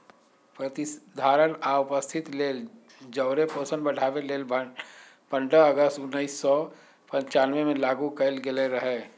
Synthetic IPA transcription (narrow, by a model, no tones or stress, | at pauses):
pɾət̪ɪsd̪ʱaːɾənaʊpəst̪ʰɪt̪leːl | d͡ʒəʊɾepoːsə̃nbəɽ̤aːʋeleːlbə | pə̃ɳɖəəɡəst̪ʊnːəisːɔ | pɐ̃ɲt͡ʃaːnʋemẽlaːɡukəlɡɪleɾɐɦeː